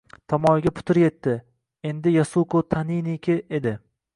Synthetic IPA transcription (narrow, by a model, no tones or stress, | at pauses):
t̪ʰamɒjɡʲapʰʊ̥t̪ʰɪɾje̞t̪ːɪ | e̞nd̪ɪjasuqot̪ʰaninikʲʰɪed̪ɪ